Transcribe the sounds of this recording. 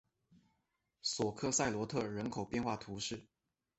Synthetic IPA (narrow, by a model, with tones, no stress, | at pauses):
swɔ˨˩kʰɤ˥˧sa˥˩ɪlwɔ˧˥t̪ʰɤ˥˩ɻə˧˥nkʰo˨˩ʊpjɛ˥˧nxwa˥˩t̪ʰu˧˥ʂɻ̩˥˩